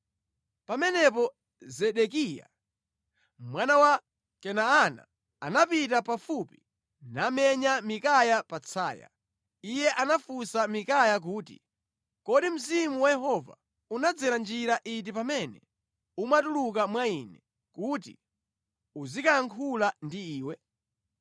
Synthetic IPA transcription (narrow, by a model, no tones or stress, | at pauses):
pamɛnɛp̬ɔ | zɛɗɛkija̰ | mwanawa | kɛnaana̰ | a̰napit̬apafupi̥ | namɛɲamikajapat͡sʰa̰ːja̰ | ijɛʔanafusamikajak̬uːtḭ | kɔɗim̩zimuwajɛɦɔva̰ | unad͡zɛɾand͡ʒiɾaʔit̬ipamɛnɛ | umatuluk̬amwainɛ | kuːt̬ḭ | uzikaaŋkʰulandiiːwɛ